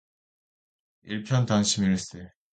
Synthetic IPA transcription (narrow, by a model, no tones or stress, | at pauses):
iɭpʰjʌntaŋɕʰimiɾɯs͈e